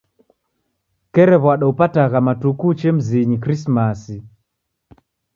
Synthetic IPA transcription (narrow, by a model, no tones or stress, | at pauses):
kɛɾɛβwaɗaupataɣamatukut͡ʃɛm̩ziɲikɾismasi